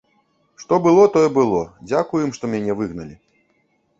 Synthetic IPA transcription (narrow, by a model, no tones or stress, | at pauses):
ʂt̪ɔbɨlˠɔt̪ɔjɛbɨlˠɔd͡zʲakujɛmʂt̪ɔmʲanʲɛvɨɣnɐlʲi